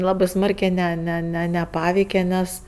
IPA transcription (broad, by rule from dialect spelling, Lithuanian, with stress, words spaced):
ˈlˠɑːbɜ ˈsmɐrʲkʲeː ˈnʲɛ nʲɛ ˈnʲɛ nʲɛˈpɑːʋʲɛɪkʲɛ ˈnʲɛs